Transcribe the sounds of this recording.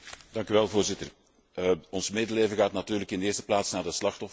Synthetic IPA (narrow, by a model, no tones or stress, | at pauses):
d̥ɑŋkyʋɛlˠvoːrzɪtər | ɔnsmeːdəleːvəɣaːtnatyːrləkɪndeːzəplaːtsnaːrdəslɑxtɔf